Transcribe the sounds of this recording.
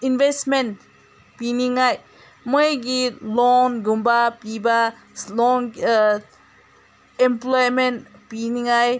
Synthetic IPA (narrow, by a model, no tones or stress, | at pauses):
invɛsmɛ̃n | piniŋaj | mɔjɡitlɔnɡumbapiba | lɔŋ | ɛ̃mplɔjmɛ̃npiniŋaj